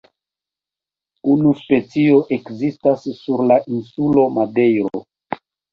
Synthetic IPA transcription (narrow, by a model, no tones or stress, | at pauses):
unuspe̞t͡sio̞ʔe̞kzistasːuɾlaʔinsulo̞made̞jɾo̰